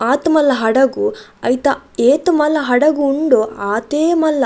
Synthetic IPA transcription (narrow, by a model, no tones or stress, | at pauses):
aːt̪mɐlːɐɦɐɽɐɡuɐjt̪ɐeːt̪ɐmɐlːɐɦɐɽɐɡuːɳɖuaːt̪eːmɐlːɐ